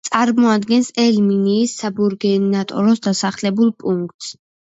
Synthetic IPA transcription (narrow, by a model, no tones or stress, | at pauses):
t̪sʼaɾmɔad̪ɡɛnsɛlminiːsːabuɾɡɛnat̪ʼɔ̰ɾɔsd̪asaχlɛbulˠpʼuŋk̚t̪ʼs